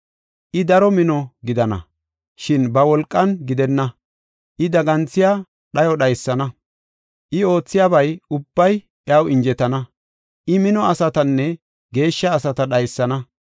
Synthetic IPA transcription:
ʔɪd̪ɐɾɔmɪnɔɡɪd̪ɐnɐ̰ | ʃɪnbɐwɔlkʼːɐnɡɪd̪ɛnːɐ | ʔɪd̪ɐɡɐnt͡sːɪja | ɗɐjɔɗɐjsːɐnɐ | ʔɪo̞ːt͡sːɪjaːbɐjʊbːɐj | ɪɐwɪnd͡ʒɛt̪ɐnɐ | ʔɪmɪnɔɐsɐt̪ɐnːɛ | ɡe̞ːʃːɐːsɐt̪ɐɗɐjsːɐnɐ

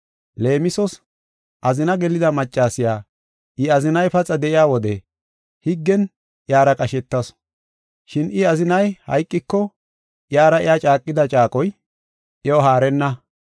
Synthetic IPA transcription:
le̞ːmɪsɔs | ʔɐzɪnɐɡɛlɪd̪ɐmɐt͡ʃʼːaːsɪjaː | ʔɪɐzɪnɐjpɐt͡sʼɐd̪ɛʔɪjaːwɔd̪ɛ | hɪɡːɛn | ʔjaːɾɐkʼɐʃɛt̪ːɐs | ʃɪnɪɐzɪnɐjhɐ̰jkʼːɪkːɔ | ʔjaːɾɐɪjaːt͡ʃʼaːkʼːɪd̪ɐt͡ʃʼaːkʼɔj | ʔɛɔɦaːɾɛnːɐ

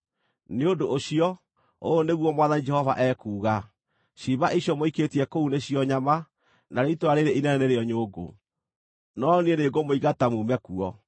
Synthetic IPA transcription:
neodoʔoɕiɔ | oːneɣwɔmwaðanid͡ʒɛhɔva̰ʔɛːkuːɣa | ɕiβaʔiɕjɔmoiketiɛkouneɕiɔɲama | naɾeitoaɾeɾeinɛnɛneɾeɔɲoːɡo̰ | nɔnieneɡomoiɣatamuːmɛkuɔ

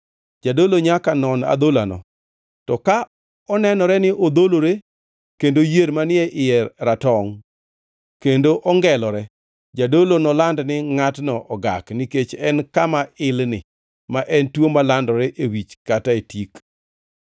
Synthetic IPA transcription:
d͡ʒadoloɲakanɔna̰d̪olanɔ̰ | tɔka | ɔnɛnɔɾɛnɪʔod̪oloɾe | kendojeɾmanɪɛʔɪjɛɾatɔŋ | kendoʔɔŋɡɛlɔɾɛ | d͡ʒadolonɔlandnɪŋatnɔʔɔɡa̰kniket͡ʃɛnkamaɪlnɪ | maʔɛntwomalandɔɾɛʔewit͡ʃkataetik

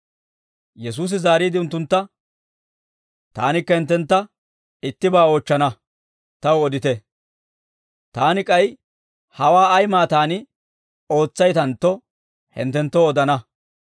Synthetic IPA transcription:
jɛs̬uːs̬ɪzaːɾiːd̪ɪʊnt̪ːʊnt̪ːɐ | t̪a̰ːnɪkːɐhɛnt̪ːɛnt̪ːɐ | ɪt̪ːɪbaːoːt͡ʃːɐnɐ | t̪ɐwʊɔd̪ɪt̪ɛ | t̪aːnɪkʼɐj | hɐwaːɐjmaːt̪aːnɪ | o̞ːt͡sːɐjt̪ɐnt̪ːɔ | hɛ̰nt̪ːɛnt̪ːɔːd̪ɐnɐ

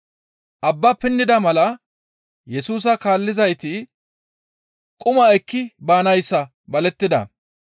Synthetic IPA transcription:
ʔɐbːɐpɪnːɪd̪ɐmɐlɐ | jɛsuːs̬ɐkaːlːɪzɐjt̪ɪ | kʼʊmɐɛkːɪbaːnɐjsːɐ | bɐlɛt̪ːɪd̪ɐ̰

